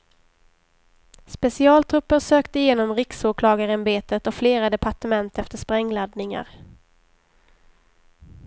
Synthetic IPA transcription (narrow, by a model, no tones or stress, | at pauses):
spɛsɪɑːlt̪ʰɾɵpːəɾsøːkt̪əɪjeːnɔmɾɪksoːkʰlɑːɡaɾəmbeːt̪ət̪ɔfleːɾad̪ɛpʰaʈəmɛnt̪ɛft̪əʂpɾɛŋːlad̪nɪŋa̰ɾ